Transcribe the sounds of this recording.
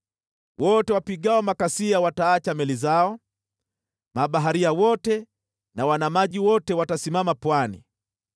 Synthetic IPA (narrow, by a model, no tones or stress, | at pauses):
wɔtɛwapiɠaɔmakasiawataat͡ʃamɛlizaɔ | maɓaɦaɾiawɔtɛ | nawanamaʄiwɔtɛwatasimamapwanḭ